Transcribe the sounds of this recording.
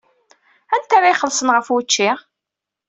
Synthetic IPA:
ænt̪aɾajχəlsənʁəfwət͡ʃːiʁ

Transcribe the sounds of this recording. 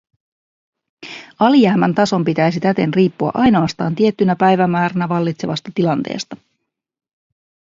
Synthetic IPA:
ɑlijæhmænt̪ɑso̞mpit̪æjs̬it̪æt̪e̞nriːpːuɑ̰ʔɑjno̞ɑst̪ɑːnt̪ie̞t̪ːynæpæjʋæmæːɾænæʋɑlːit̪se̞ʋɑst̪ɑt̪ilɑnt̪e̞̰ːst̪ɑ

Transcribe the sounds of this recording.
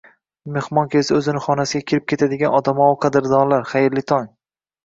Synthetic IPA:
mehmɒŋkʲʰesɪɵzɪnɪχɒnasɪɡʲakʲʰɪɾɪp̚kʲʰe̞t̪ʰad̪ɪɡʲanɒd̪amɒwqʰɑd̪ɪɾd̪ɒnlaɾχajɪɾlɪt̪ʰɒŋ

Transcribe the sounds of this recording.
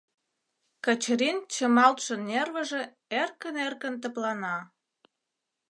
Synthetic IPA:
kə̆t͡ɕɾint͡ɕəmɑlt̪ʃə̆nerβə̆ʒĕ | erkənerkə̆nt̪̬ə̆plɑnɑ

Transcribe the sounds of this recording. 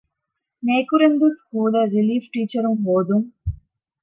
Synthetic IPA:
neːkuɾend̪uskuːlɐɾiliːfʈiːt͡ʃɐɾumɦoːd̪um

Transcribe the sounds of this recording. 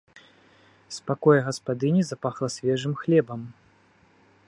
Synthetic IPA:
spakɔjɐɣɐspad̪ɨnʲizapaxlˠɐsʲvʲɛʐɨmxlʲɛbɐm

